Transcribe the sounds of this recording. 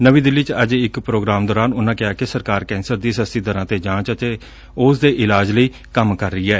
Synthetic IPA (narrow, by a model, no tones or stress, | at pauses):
nəʋiːd̪ɪlːiːt͡ʃəd͡ʒɪkpɾoːɡɾaːmd̪ɔːɾaːnʊnãːkɪaːkesəɾkaːɾkɛ̃ːnsəɾd̪iːsəst̪iːd̪əɾãːt̪eːd͡ʒãːt͡ʃət̪eː | ʊsd̪eːʔɪlaːd͡ʒləiː | kəmkəɾːəiːɛː